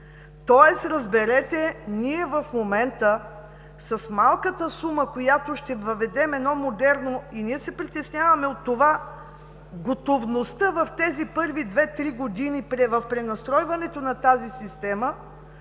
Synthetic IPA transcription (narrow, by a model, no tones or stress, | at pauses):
t̪ɔjɛsɾɐzbɛɾɛt̪ɛniɛvɐfmomɛnt̪ə | sɐsmalˠkət̪əsuməkojat̪oʃt̪ɛvɐvɛd̪ɛmɛd̪nɔmod̪ɛɾnoiniɛsɛpɾit̪ɛsnʲavɐmɛot̪ːova | ɡot̪ovnost̪əvɐft̪ɛzipɤɾvid̪vɛt̪ɾiɡod̪inipɾɛvɐfpɾɛnɐst̪ɾɔjvɐnɛt̪onɐt̪azisist̪ɛmə